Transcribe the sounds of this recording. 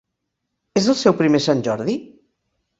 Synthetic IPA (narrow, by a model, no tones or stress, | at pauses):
ezəlˠsɛwpɾimesanʲʒɔɾði